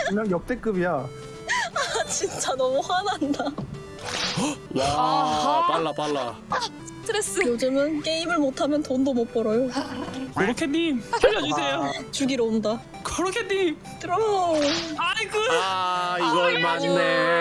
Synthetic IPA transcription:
ɯɲʌŋjʌk̚t͈ek͈ɯbija | at͡ɕint͡ɕ͈anʌmuɸwananda | ja | paɭːapaɭːa̰sʰɯ̥tʰɯɾes͈ɯjod͡ʑɯmɯnk͈e̞imɯɭmotʰamjʌntondomʌp͈ʌɾʌjokoɾʌkʰenɲimʰjʌʎːʌd͡ʑusʰejot͡ɕuɡiɾoomda | kʌɾʌkʰenːim | kɯɾo | akɯ | iɡʌmaime

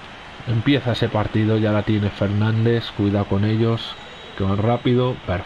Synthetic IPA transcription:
e̞mpje̞θaese̞paɾt̪ið̞o̞ʝalat̪je̞ne̞fe̞ɾnãnd̪e̞skwiðako̞ne̞ʎo̞s | keβanrapiðo̞peɾ

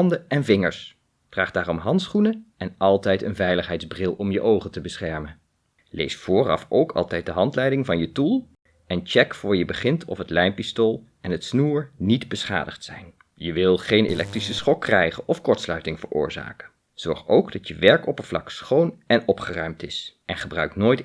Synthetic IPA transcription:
ndəɛnvɪŋəɹs | fraːχd̥aːrɔmɦɑntsχunəʔɛnɑlˠtɛjtə̰nvɛjləχɦɛjtdzbrɪlˠɔmjəʔowχəntəbəsχɛɹmən | lḛjsfʊːrɑ̰fowkʰɑ̰lˠtɛjt̚dəɦɑntlɛjdɪŋvɑnjətulˠ | ɛnt͡ʃɛkfʊːɹjəbəχɪntʰɔ̰fɦətlɛjnpistolˠ | ɛnɦətsnuːɹnidbəsχa̰ːdəχtsɛjn | jəʋɪlˠχejnḛlʔɛ̰k̚trisəsχɔkːrɛjχənʔɔfkɔɹtslœɥtɪŋvə̰ɹʔʊ̰ːɹza̰ːkə | z̥ɔɹχowɡdɑtjəʋɛɹkɔpənvlɑ̰ksχownɛnɔpχərœɥmtɪsʔɛnχəbrœɥknoːjt

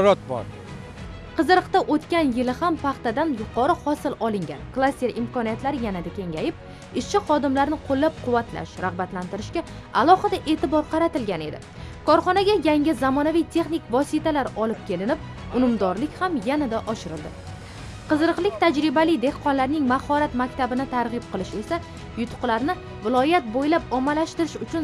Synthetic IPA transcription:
ɾɒt̪̚bɒ̰ɾ | qʰɨzɨɾɨqt̪aʔot̪kʲanjɪlɪhampʰɑχt̪ad̪anjʊqʰɒɾɪhɒsɪlɒlɪŋɡʲa̰nklˠasʲt̪eɾɪmkʰɒnijat̪laɾɪjanad̪akʲʰe̞ŋʲajɪp̚ | ɪʃt͡ʃɪχɒd̪ɪmlaɾnɪqʰolːap̚qʰʊvːat̪la̰ʃɾaʁbat̪lant̪ɪɾɪʃkʲa | alˠɒhɨd̪aʔe̞t̪ɪbɒɾqʰɑɾat̪ɪlɡʲane̞̰d̪ɪ̰ | kʰɒɾχɒnaɡʲajaŋʲɪzamɒnavijt̪ʰe̞χnɪkvɒsit̪alaɾɒlɪp̚kʲʰe̞lɪnɪp̚ | ʊnʊmd̪ɒɾlɪkʲhamjanad̪aʔɒʃɪɾɪ̰lˠd̪ɪ | qʰɨzɨɾɨqlˠɪk̚ʲt̪ʰad͡ʒɾɪbalɪjd̪e̞hqʰɒnlaɾnɪŋmahɒɾat̪makʲt̪ʰabɪnɪt̪ʰaɾʁɨp̚qʰɨlˠɪʃe̞sa | jʊt̪ʰʊ̥qlˠaɾnɪ | vɪlˠɒjat̪̚bojlapɒmalaʃt̪ɪɾɪʃʊt͡ʃʰʊn

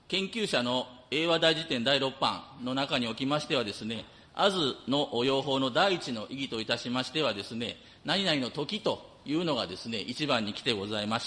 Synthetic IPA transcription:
kẽ̞ŋkʲɨːɕano̞ | e̞ːβad̪aiʑit̪ẽ̞nd̪aiɾo̞pːã̰nno̞nakaɲ̟io̞kʲimaɕi̥t̪e̞β̞ad̪e̞sɨne̞ | azɨno̞ʔojo̞ːɦo̞ːno̞d̪aiːt͡ɕino̞ʔiɡʲit̪o̞it̪aɕimaɕi̥t̪e̞βad̪e̞sɨne̞ | naɲ̟inaɾino̞t̪o̞kʲit̪o̞ | jɯ̟ːno̞ɡad̪e̞sɨne̞ʔit͡ɕibãɲ̟ːikʲi̥t̪e̞ɡo̞zaimaɕ

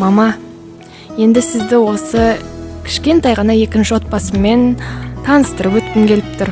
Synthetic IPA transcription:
mɑmɑ | je̞nd̪ɪsɪzd̪ɪwo̞səkʲʰɪ̥ʃkʲe̞nt̪ɑjʁɑnɑje̞kʲɪnʃɪwo̞t̪̚pɑsəme̞nt̪ʰɑnəst̪əɾəpwɵt̪̚kʲɪŋkʲʰe̞lɪp̚t̪ʰʊɾ

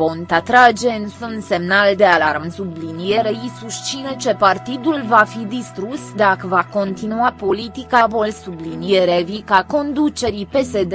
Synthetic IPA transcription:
ont̪at̪ɾad͡ʒe̞ɨnsunse̞mnald̪e̞alaɾmnsublinijeɾeisuʃt͡ʃinet͡ʃe̞part̪id̪ulvafid̪ist̪ɾusd̪akəvako̞nt̪inuapo̞lit̪ikavo̞lsublinijeɾevikako̞nd̪ut͡ʃe̞ɾipe̞se̞d̪

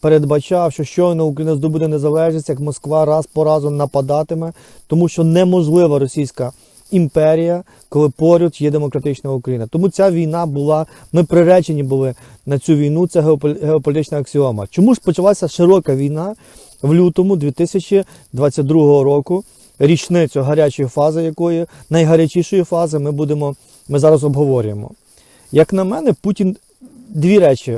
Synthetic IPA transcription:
peɾed̪bɐt͡ʃɑwʃt͡ʃɔʃt͡ʃɔnɐʊkɾɐjinɐzd̪ɔbud̪ɛnezɐlˠɛʒesʲtʲjɐkmɔskʋɑɾɑspɔɾɑzʊnɐpɐd̪ɑt̪ɪmɛ | t̪ɔmuʃt͡ʃɔnɛmɔʒlˠɪʋɐɾɔsʲijsʲkɐ | impɛɾʲijɐ | kɔlˠɪpɔɾʲɔt̪jɛd̪emɔkɾɐt̪ɪt͡ʃnɐukɾɐjinɐt̪ɔmut͡sʲaʋʲijnɑbʊlˠɑ | mɪpɾɪɾɛt͡ʃenʲibʊlˠɪ | nɐt͡sʲuʋʲijnut̪sɛɦeɦeɔpɔlʲt̪ɪt͡ʃnɐɐksʲɪɔmɐ̰t͡ʃɔmuʐpɔt͡ʃɐlˠasʲɐʃɪɾɔkɐʋʲijnɑ | ʋlʲut̪ɔmʊd̪ʋʲit̪ɪsʲɐt͡ʃʲi | d̪ʋɑt͡sʲːɐt̚ʲd̪ɾuɦɔɦɔɾɔkʊ | ɾʲit͡ʃnɪt͡s̪ʲɔɦɐɾʲat͡ʃɔjifɑzɪjɐkɔjɪnɐjɦɐɾʲɐt͡ʃʲiʃɔjifɑzɪmɪbud̪emɔ | mɪzɑɾɐzɔbɦɔʋɔɾʲʊjemɔ̰ | jɐknɐmɛnɛputʲin | d̪ʲʋʲiɾɛt͡ʃʲi

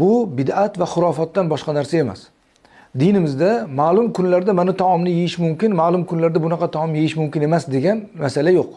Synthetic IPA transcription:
bʊbɪd̪at̪vaχʊɾɒfɒt̪ːanbɒʃqɑnaɾsae̞ma̰s | d̪ɪnɪmɪzd̪amaːlˠʊmkʰʊnlaɾd̪amanɪt̪ʰɒɒmnɪjejɪʃmʊmkʲɪnmaːlˠʊmkʰʊnlaɾd̪abʊnɑqʰɑt̪ʰɒɒmjejɪʃmʊmkʲɪne̞masd̪e̞ɡʲan | masalajoq̚

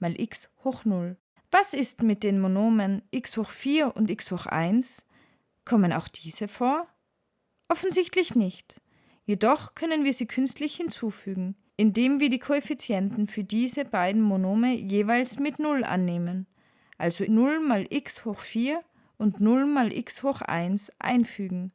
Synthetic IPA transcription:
maːlʔɪkshoːxnʊl | vasɪstmɪt̚d̥eːnmonoːmənʔɪkshoːxfiːɐʔʊntɪkshoːxʔa̰ɪns | kʰɔməna̰ʊxd̥iːz̥əfoːɐ | ʔɔfn̩zɪçtlɪçnɪçt | jedɔχkʰœnənviːɐziːkʰʏnstlɪçhɪnt͡suːfyːɡŋ̩ | ʔɪndeːmviːɐɾiːkʰoefit͡sjɛntn̩fyːɐdiːzəbaɪdn̩monoːməjeːvaɪlsmɪtnʊlʔa̰nːeːmən | ʔalzonʊlmaːlʔɪkshoːxfiːɐ | ʔʊntnʊlmaːlʔɪ̰kshoːxʔa̰ɪnsʔa̰ɪnfyːɡŋ̩

